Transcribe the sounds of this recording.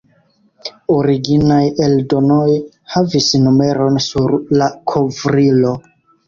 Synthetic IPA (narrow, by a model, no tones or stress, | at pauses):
oɾiɡinaje̞ldo̞noj | havisnume̞ɾo̞nsuɾlakʰo̞vɾilo̞